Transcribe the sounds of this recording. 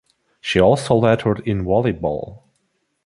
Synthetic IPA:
ʃiɔlˠsoʊlɛɾə˞dɪ̃nwɑlˠibɔ̰lˠ

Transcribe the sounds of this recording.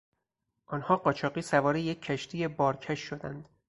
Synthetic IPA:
ʔɒːnhɒːɢɒːt͡ʃʰɒːɢiːsævɒːɾejecʰːæʃt̪ʰiːjebɒːɾcʰæʃːod̪ænd̪̥

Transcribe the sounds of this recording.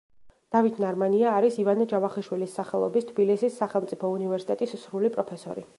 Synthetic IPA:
d̪̥avit̪ʰnaɾmaniaːɾisivanad͡ʒavaχiʃwilisːaχɛlˠɔ̰bist̪ʰbilisisːaχɛlˠmt̪sʼipʰɔunivɛɾsi̥t̪ʼɛt̪ʼissɾulipʼɾɔpʰɛsɔ̰ɾḭ

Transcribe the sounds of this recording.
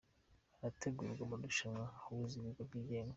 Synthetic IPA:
aɾatʰe̞ɡuːɾɡwamuduʃamŋauβuziβiɡob̚ɡiːɟeːŋɡa

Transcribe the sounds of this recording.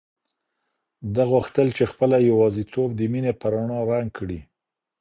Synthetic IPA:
d̪aɣuxt̪əlt͡ʃexpəlajawɑzit̪ob̚d̪əminepəɾaɳɑɾaŋɡ̚kʰɽi

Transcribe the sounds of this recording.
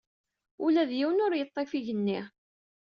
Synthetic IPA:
ulæðjiwənʊɾjət̪ˤːefiʝənːi

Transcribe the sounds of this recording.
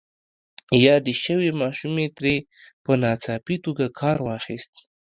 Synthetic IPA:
jɑd̪əʃəwemɑʃumet̪ɾe | pənɑt͡sɑpit̪oɡakʰɑɾwɑxist̪

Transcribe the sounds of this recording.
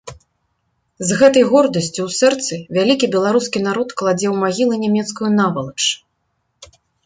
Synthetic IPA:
zɣɛt̪ɐjɣɔrd̪ɐsʲt͡sʲuwsɛrt̪sɨvʲalʲikʲibʲɛlˠaɾuskʲinaɾɔt̪klˠad͡zʲɛwmaɣʲilˠɨnʲɛmʲɛt̪skujunavɐlˠɐt͡ʂ

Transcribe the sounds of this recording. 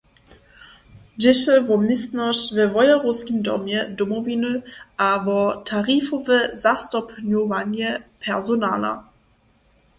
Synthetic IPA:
dɪʃɛvɔmistnɔʃvɛvɔjaʁɔskʲimdɔ̰mjɛdɔmɔvinəʔavɔtʰaʁifɔvɛzast̪ɔpɲɔvaɲjɛpʰɛʁzɔna̰la̰

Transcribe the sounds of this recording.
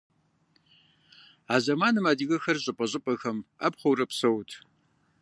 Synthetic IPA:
aːzɐmaːnɨmaːdiɣɐxɐrʑʼɪpʼɐʑʼɪpʼɐxɐma̰ːpχʷɐwrɐpsɐwtʰ

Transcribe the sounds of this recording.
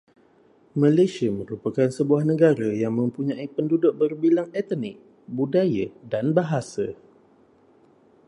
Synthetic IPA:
mãlesiamə̃ɾupakansəbuahnə̃ɡaɾajaŋmə̃mpuɲãipəndudʊk̚bərbilaŋɛt̪ənɪk̚ | budajadanbaɦasa

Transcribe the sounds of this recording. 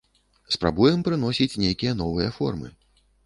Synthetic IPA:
spɾa̰bujɛmpɾɨn̪ɔsʲit͡sʲnʲejkʲijɐnɔvɨjɐfɔ̰rmɨ̰

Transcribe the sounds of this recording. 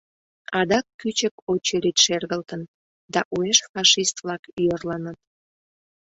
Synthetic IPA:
ɑd̪ɑkːyt͡ɕəkot͡ɕeɾit̪ʃerɣəlt̪ən | d̪ɑʔueʃfɑʃist̪vlɑkyjərlɑnət̪̚

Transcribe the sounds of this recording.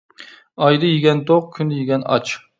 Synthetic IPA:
ɑjd̪ɨjiɡʲɛnt̪ʰoq̚kʲʰynd̪jiɡʲɛnɑ̰t͡ʃ

